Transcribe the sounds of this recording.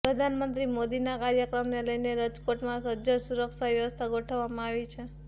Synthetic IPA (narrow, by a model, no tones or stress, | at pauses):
pɾəd̪ʱanmənt̪ɾimod̪inakaɾjəkɾəmneləjneɾəd͡ʒkoʈmãsəd͡ʒəɾsuɾəkʃaʋjəʋəst̪ʰaɡʱoʈʰəʋːamãaʋit͡ʃʰe